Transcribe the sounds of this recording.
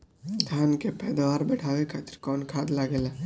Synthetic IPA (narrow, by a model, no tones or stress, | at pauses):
d̪ʱjaːnkepɛːd̪ʋaːɾbɛʈʰaːʋekʰat̪ɾkɔːnkʰaːd̪laɡeːlaː